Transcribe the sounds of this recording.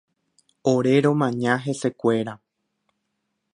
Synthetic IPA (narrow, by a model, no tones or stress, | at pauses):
oɾe̞ɾõ̞mãɲãɦe̞se̞kʷe̞ɾa